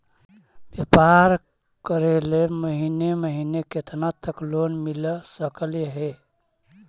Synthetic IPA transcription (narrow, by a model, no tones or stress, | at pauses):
bjəpaɾ | kəɾeleməɦineməɦineket̪nat̪əklonmiləsəkəljəɦe